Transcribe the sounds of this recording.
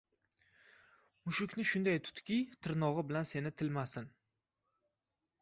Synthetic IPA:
mʊʃʊkʲnɪʃʊnd̪ajt̪ʰʊ̥t̪kʲit̪ʰɪɾnɒʁɨbɪlanse̞nɪt̪ʰɪlmasɪn

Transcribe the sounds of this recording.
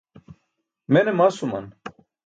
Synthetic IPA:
menemaːsumɐ̰n

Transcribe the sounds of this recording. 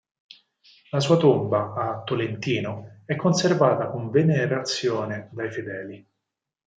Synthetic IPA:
lasuːat̪ombaːt̪ːolent̪iːnoɛkʰːonservaːt̪akoɱveneɾat̪sːjoːned̪ajfed̪ɛːli

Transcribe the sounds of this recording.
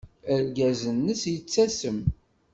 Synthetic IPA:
æɾɡæzənːəsjət͡sːæsəm

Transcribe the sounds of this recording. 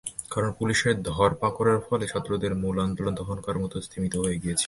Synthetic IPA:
kaɾonpuliʃeɾd̪ʱɔɾpakoɾaɾfɔlet͡ɕʰat̪ːɾod̪eɾmuland̪olond̪ʱɔɦonkaɾmɔt̪ost̪ʰimit̪oɦojeɡijet͡ɕʰi̥

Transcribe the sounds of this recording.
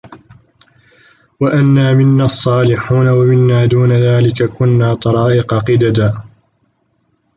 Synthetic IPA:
waʔanːaːmɪnːaːɑsˤːɑːlɪħuːnawamɪnːaːd̪uːnaðaːlɪkakʊnːaːt̪ˤɑɾˤɑːʔɪqɑqɪd̪ad̪aː

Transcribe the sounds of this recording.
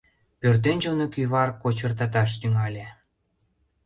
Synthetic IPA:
pørt̪̬enʲd͡ʑonokyβɑrkot͡ɕə̆rt̪ɑt̪ɑʃ̬t̪yŋɑlʲe

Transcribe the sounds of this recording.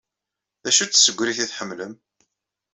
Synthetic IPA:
ðæʃut͡sːsəɡʷːɾiθiθħəmːləm

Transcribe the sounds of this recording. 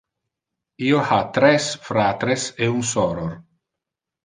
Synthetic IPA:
iːohat̪ɾɛsfɾat̪ɾeseunsɔɾoɾ

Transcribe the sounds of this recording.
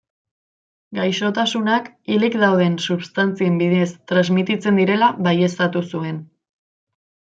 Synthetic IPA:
ɡajʃo̞t̪asunak | ilikd̪awð̞e̞nsuβst̪ant͡sie̞mbiðest̪ɾazmit̪it͡se̞nd̪iɾe̞laβaje̞st̪at̪usue̞n

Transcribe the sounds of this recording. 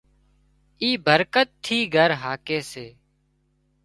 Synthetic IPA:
iːbəɾkət̪ʰːiːɡʱəɾɦaːkeːseː

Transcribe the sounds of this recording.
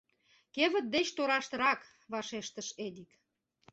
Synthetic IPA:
keβə̆t̪̚d̪et͡ɕt̪oɾɑʃt̪ɤ̆ɾɑk | βɑʃeʃt̪əʃed̪ik

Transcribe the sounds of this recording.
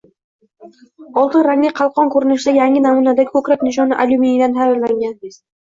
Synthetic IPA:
ɒlˠt̪ʰɪnɾaŋlɪqʰɑlˠqʰɒnkʰɵɾɪnɪʃɪd̪ajaŋʲɪnamunad̪akʰɵkʲɾakʲnɪʃ̬ɒnɪʔalʲuminɪd̪ant̪ʰajɪɾlaŋɡʲan

